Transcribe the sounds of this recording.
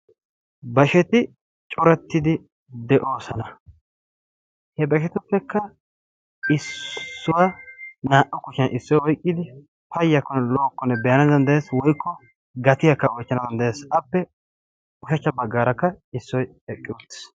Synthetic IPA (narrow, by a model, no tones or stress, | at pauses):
bɐʃɛt̪ɪ | t͡ʃʼɔɾɛt̪ːɪd̪ɪ | d̪ɛʔo̞ːsɐnɐ | hɛbɐʃɛt̪ʊpːɛkːɐ | ɪsːʊwanaːʔɔkʊʃɪnʔɪsːɔjɔjkʼːɪd̪ɪ | pʰɐjːɐkːɔnɛlo̞ːkːɔnɛbɛjɐnɐd̪ɐnd̪ɐjeːswɔjkːɔ | ɡɐt̪ɪjɐkːɐɔjt͡ʃːɐnɐd̪ɐnd̪ɐjeːsɐpːɛ | ʊʃɐt͡ʃːɐbɐɡːaːɾɐkːɐ | ɪsːɔj | ɛkʼːɪʊt̪ːɪ̥s